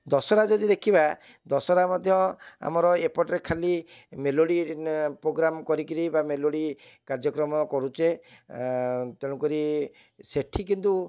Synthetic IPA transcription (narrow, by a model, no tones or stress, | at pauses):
d̪ɔsɔɾad͡ʒɔd̪id̪ekʰiba | d̪ɔsɔɾamɔd̪ʱjɔa̰mɔɾɔepɔʈɾekʰalimeloɽipɾoɡɾamkɔɾikiɾibameloɽi | kaɾd͡ʒɔkɾɔmɔkɔɾut͡ʃe | t̪eɽũkɔɾi | seʈʰikint̪u